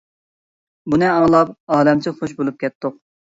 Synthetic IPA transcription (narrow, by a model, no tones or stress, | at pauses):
bunɨɑlˠɑp̚ɑːlɛmt͡ʃʰɪχoʃ̬bolˠup̚kʲɛt̪ʰːʊq̚